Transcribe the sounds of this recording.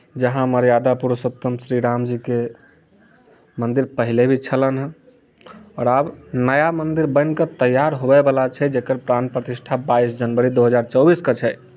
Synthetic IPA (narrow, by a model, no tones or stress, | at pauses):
d͡ʒəɦãməɾjad̪apuɾəsət̪ːəmsɾiɾamd͡ʒike | mənd̪iɾpəɦilebʱit͡ʃʰələnɦ | ɔɾabnəjamənd̪iɾbə̃nkət̪əjːaɾɦobɛbəlat͡ʃʰɛd͡ʒekəɾpɾanpɾət̪isʈʰabaisd͡ʒənbəɾid̪oɦəd͡ʒaɾt͡ʃəwbiskət͡ʃʰɛ